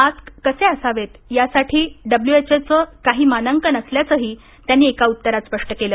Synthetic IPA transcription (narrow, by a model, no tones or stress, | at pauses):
ad͡zkkəsẽəsaʋet̪jasaʈʰiːɖəbljuet͡set͡səkaɦiːmanəŋkənəsljat͡səɦiː | t̪janːiːekaut̪ːəɾat̪spəʂʈəkeləː